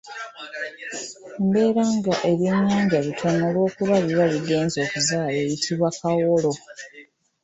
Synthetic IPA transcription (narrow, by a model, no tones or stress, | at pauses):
mbe̞ːɾaŋɡaʔe̞βje̞ɲːaːɲɟaβitʰonolwo̞ːkuβaβiβaβiɡe̞ːnzo̞ːkuzaːleːjitʰiβwakawolo̞